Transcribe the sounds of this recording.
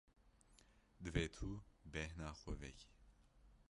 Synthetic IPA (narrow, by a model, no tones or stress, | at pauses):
d̪ɨveːt̪ʰuːbɛhnaːxʷɛvɛci̥